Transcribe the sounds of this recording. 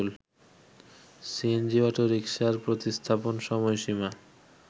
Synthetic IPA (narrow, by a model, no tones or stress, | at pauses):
l | siend͡ʑiɔʈoɾikʃaɾpɾot̪ist̪ʰaponʃɔmɔeʃima